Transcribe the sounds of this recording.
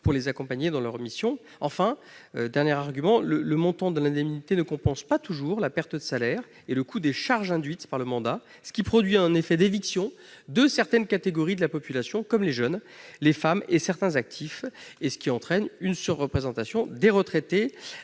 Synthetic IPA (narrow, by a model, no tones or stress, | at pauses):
puʁlezakɔ̃paɲed̪ɑ̃lœʁmisjɔ̃ | ɑ̃fɛ̃ | ød̪ɛʁnjɛʁaʁɡʲymɑ̃lələmɔ̃t̪ɑ̃d̪əlɛ̃d̪ɛmnit̪enəkɔ̃pɑ̃spat̪uʒuʁlapɛʁt̪əd̪əsalɛʁ | eləkʰud̪eʃaʁʒɛ̃d̪ɥit̪paʁləmɑ̃d̪a | sə̥kʲipχɔd̪ɥiɛ̃nefɛd̪eviksjɔ̃ | d̪əsɛʁt̪ɛnkat̪eɡɔʁid̪əlapɔpylasjɔ̃kɔmleʒœnlefamesɛʁt̪ɛ̃zak̚t̪ʰifesə̥kʲiɑ̃t̪χɛnynsyʁːəpχezɑ̃t̪asjɔ̃d̪eʁət̪χet̪e